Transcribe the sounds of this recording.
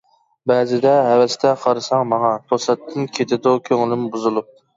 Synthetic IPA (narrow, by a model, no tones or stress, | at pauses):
bɛzɪd̪ɛɦævɛst̪ɛqʰɑɾɨsɑŋmɑŋɑt̪ʰosɛt̪ʰːɨnkʲʰet̪ʰɪd̪ukʲʰøŋɪlɪmbuzɨlˠup̚